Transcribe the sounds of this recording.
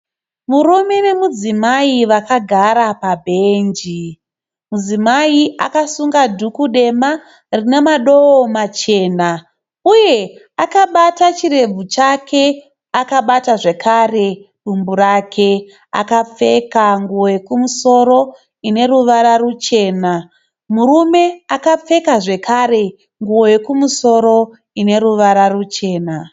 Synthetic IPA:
murume̞ne̞mud͡zimaiʋakaɡʱaɾapabʱe̞ːnd͡ʒi | mud͡zimaiʔa̰kasuŋɡadʱukuɗe̞ma | rine̞maɗo̞omat͡ʃe̞ːna | uje̞ | akaɓatat͡ʃiɾe̞b͡vut͡ʃakʰe̞ | akaɓataʐe̞kʰare̞ | ɗumburakʰe̞ | a̰kap͡fe̞kaŋɡuwoje̞kumuso̞ɾo̞ | ine̞ruʋaɾarut͡ʃe̞ːna | murume̞akap͡fe̞kaʐe̞kʰare̞ | ŋɡuwo̞je̞kumuso̞ɾo̞ | ine̞ɾuʋaɾarut͡ʃe̞ːna

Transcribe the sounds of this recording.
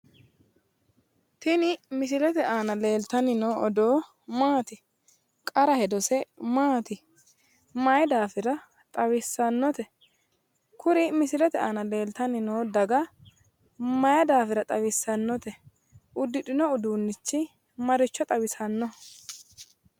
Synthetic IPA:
t̪ɪnɪmɪs̬ɪlɛt̪ɛʔaːnɐleːlt̪ɐnɪnoːʔɔd̪oː | maːt̪ɪ | kʼɐɾɐhɛd̪ɔsɛmaːt̪ɪ | mɐjd̪aːfɪɾɐ | t̪ʼɐwɪsːɐnːɔt̪ɛ | kʰʊɾɪmɪsɪlɛt̪ɛaːnɐle̞ːlt̪ɐnɪnoːd̪ɐɡɐ | mɐjɐd̪aːfɪɾɐt̪ʼɐwɪsːɐnːɔt̪ɛ | ʔʊd̪ːɪᶑɪnɔʊd̪uːnːɪt͡ʃːɪ | mɐɾɪt͡ʃːɔt̪ʼɐwɪsɐnːɔ

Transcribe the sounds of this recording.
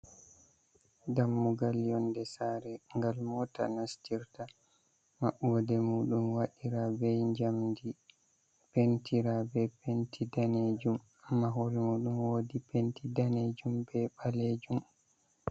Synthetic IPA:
damːuɡaljɔndɛsaːɾɛŋɡalmɔta̰nastiɾta | maɓudɛmuːɗumwaɗiɾabɛɲd͡ʒamdi | pentiɾabɛpentʰidaned͡ʒum | amːaɦoɾimuːɗumwodipentidaned͡ʒumbɛɓaled͡ʒum

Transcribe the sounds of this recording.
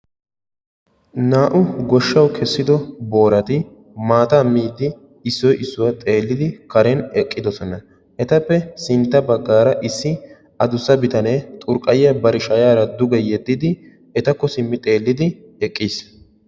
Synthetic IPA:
naːʔʊɡɔʃːɐwkʰɛsːɪd̪ɔbo̞ːɾɐt̪ɪ | maːt̪ɐːmːiːd̪ɪ | ɪsːɔjʔɪsːʊwɐt̪ʼe̞ːlːɪd̪ɪkɐɾɛnɛkʼːɪd̪ɔsɔnɐ | ʔɛt̪ɐpːɛsɪnt̪ːɐbɐɡːaːɾɐʔɪsːɪ | ɐd̪ʊsːɐbɪt̪ɐneːt̪ʼʊɾkʼːɐjɪɐbɐɾɪʃɐjaːɾɐd̪ʊɡɛjɛd̪ːɪd̪ɪ | ɛt̪ɐkːɔsɪmːɪt̪ʼe̞ːlːɪd̪ɪ | ɛkʼːiːs

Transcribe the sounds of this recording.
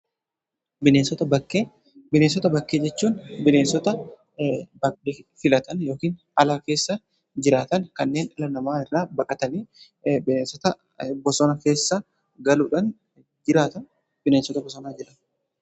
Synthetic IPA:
bɪneːnsɔt̪ɐbɐkːeː | bɪneːnsɔt̪ɐbɐkːeːd͡ʒɛt͡ʃːuːnbɪneːnsɔt̪ɐ | bɐɪfɪlɐt̪ɐnjo̞ːkiːn | ɐlaːke̞ːsːɐ | d͡ʒɪɾaːt̪ɐnkɐnːe̞ːnɐlɐnɐmaːɪrːaːbɐkʼɐt̪ɐniː | bɪneːnsɔt̪ɐ | bɔsɔnɐke̞ːsːa | ɡɐluːᶑɐn | d͡ʒɪɾaːt̪ɐn | bɪneːnsɔt̪ɐbɔsɔnaːd͡ʒɪɾɐn

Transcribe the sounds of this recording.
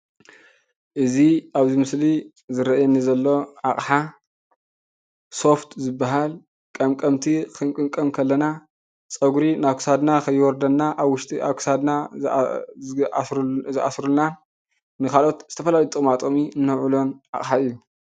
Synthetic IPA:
ʔɨziaβzimɨsli | zɨɾɐʔjɛnizɐlːo̞ʕaχʼħa | so̞ft̪ʰzɨbːaɦal | kʼɐmkʼɐmt̪ʰikʰɨŋkʼɨŋkʼɐmkʰɐlːɐna | sʼɐɡuɾinakʰɨ̥sad̪nakʰɐjːwɔɾd̪ɐnːaʔaβwʊʃt̪ʼiaβkʰsad̪na | zɨʔa̰sɾunan | nɨkʰalʔo̞t̪z̥ɨt̪ʰɐfɐlajit̪ʼɨkʼmat̪ʼomiɨnːɐʕulo̞nʕa̰χʼħaɨjːu

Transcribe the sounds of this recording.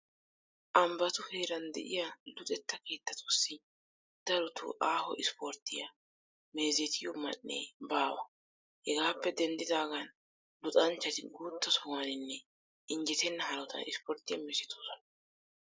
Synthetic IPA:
ʔɐmbɐt̪ʊheːɾɐnd̪ɛ̰ʔɪjalʊt̪ʼɛt̪ːɐke̞ːt̪ːɐt̪ʰʊsːɪ | d̪̥ɐɾʊt̪ʰʊ̰ʔaːhɔ̰ʔɪspɔɾt̪ːɪjɐ | meːzɛt̪ʰɪjɔmɐ̰nːḛːbaːwɐ | hɛɡaːpːɛd̪ɛnd̪ɪd̪aːɡɐn | lʊt̪ʼɐnt͡ʃːɐt̪ɪɡuːt̪ːɐsɔŋanɪnːɛ | ɪɲd͡ʒɛt̪ɛnːɐɦɐɾɔt̪ɐ̰nɪspɔɾt̪ːɪjɐ̰mɛsɪt̪ʰoːsɔnɐ

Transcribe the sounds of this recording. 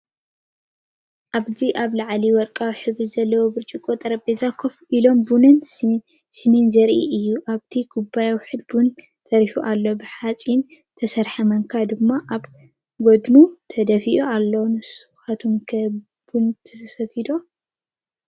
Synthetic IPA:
ʔaβziʔaβlaʕliwɔɾkʼawħɨβɨzɐlːɐwobɨɾt͡ʃʼikʼot̪ʼɐɾɐbezakʰofʔilo̞mbunɨn | sɨninzɐɾʔḭʔɨjːuʔaβt̪ʰiɡʰubajawħɨd̪̚bun | t̪ʰɐɾiħuʔalːo̞bɨħat͡sʼin | t̪ʰɐsɐɾħɐmɐŋkʰad̪ɨmːaʔaβ | ɡod̪nut̪ʰɐd̪ɐfiʔualːɐwnɨsu̥xat̪ʰomkʰɐ | b̥unt̪ʰɐsɐt̪ʰid̪o

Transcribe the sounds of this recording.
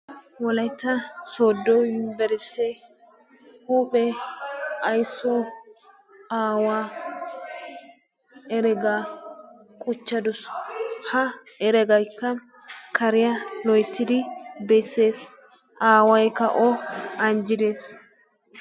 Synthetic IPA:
wɔlɐjt̪ːɐsoːd̪ːɔbɛɾɪsːɛ | huːpʼɛ | ɐjsːɔ | aːwaː | ɛɾɛɡaː | kʼʊt͡ʃːɐd̪ʊshɐ | ɛɾɛɡɐjkːɐ | kɐɾɪjɐlɔjt̪ːɪd̪ɪbɛsːe̞ːs | ʔaːwɐjkɐ̰ʔɔɐnd͡ʒɪd̪e̞ːs

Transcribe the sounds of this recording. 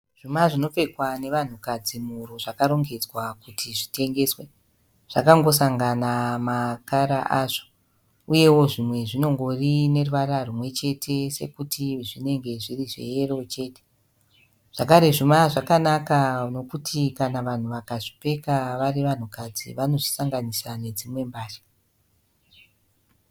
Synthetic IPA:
ʐ̥umaʐino̞pe̞kwane̞ʋan̤ukad͡zimuɾoʐakaɾo̞ŋɡe̞d͡zwakutʰiʐite̞ŋɡe̞swe | ʐ̥akaŋɡo̞saŋɡanamakaɾaʔaʐo̥ | uje̞wo̞ʐimwe̞ʐino̞ŋɡo̞rine̞ruʋararumwe̞t͡ʃe̞tʰe̞se̞̰kutiʐine̞ŋɡe̞ʐiriʐḛjero̞t͡ʃe̞ːte̥ | ʐ̥akaɾe̞ʐimaʐakanakano̞kutʰikanaʋan̤uʋakaʐi̥pe̞kaʋariʋan̤ukad͡zḭʋano̞ʐisaŋɡanisane̞d͡zimwe̞mbaːʃḁ

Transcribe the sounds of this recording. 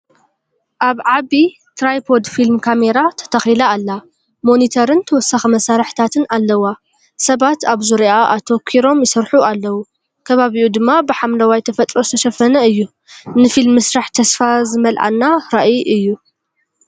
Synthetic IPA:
ʔaβʕaβi | t̪ʰɾajpʰod̪filmkʰameɾat̪ʰɐ̥t̪ʰɐxilaːlːa | mo̞nit̪ʰɐɾɨnt̪ʰɐwɔsɐxɐmɐsaɾɨħt̪ʰat̪ʰɨnalːɐwa | sɐβat̪aβzuɾiaʔat̪ʰo̞kʰiɾo̞mjɪsɨɾħualːɐwu | kʰɐβaβiʔud̪ɨmːabɨħamlɐwajt̪ʰɐfɐt̪ʼɾo̞sɨt̪ʰɐʃɐfɐnɐɨjːu | nɨfilmːɨsɾaħt̪ʰɐsfazɨmɐlʔa̰nːaɾaʔiʔɨjːu

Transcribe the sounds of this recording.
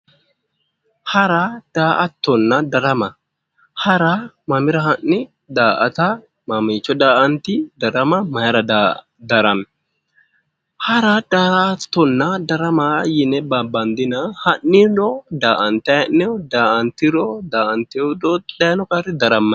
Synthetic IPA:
hɐɾad̪̥aːʔɐt̪ːɔnːɐd̪ɐɾɐmɐ | hɐɾa | mɐmɪɾɐɦɐnːɪ | d̪aːʔɐt̪ɐ | mɐmit͡ʃːɔd̪aːʔɐnt̪ɪd̪ɐɾɐmɐmɐjɐɾɐd̪ | d̪ɐɾɐmɛ | hɐɾɐd̪̥aɾt̪ːɔnːɐd̪ɐɾɐmajɪnɛbɐbɐnd̪ɪnɐhɐnːɪɾɔd̪aːʔɐnt̪ɐjɐnːɛɔd̪aːʔɐnt̪ɪɾɔd̪aːʔɐnt̪ɪɔd̪ɔɐjnɔkʼaɾɪd̪ɐɾɐmːɐ

